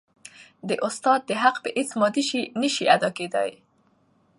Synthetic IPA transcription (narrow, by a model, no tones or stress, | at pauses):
d̪əʔʊst̪ɑd̪̚ːəɦaqpəʔet͡smɑd̪iʃinəʃiad̪ɑked̪a̰j